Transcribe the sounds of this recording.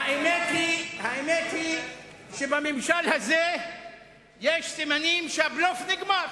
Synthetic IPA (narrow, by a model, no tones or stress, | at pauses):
aemet̪lihaemet̪li | ʃebamimʃalhaze | jeʃsimanimʃeablofniɡmaɾ